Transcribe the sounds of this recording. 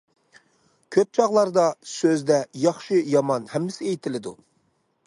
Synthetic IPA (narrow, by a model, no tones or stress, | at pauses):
kʲʰøp̚t͡ʃʰɑʁlˠɑɾd̪ɑsøzd̪ɛjɑχʃɨjɑmɑnhɛmːɪsɪejt̪ʰɪlɪd̪u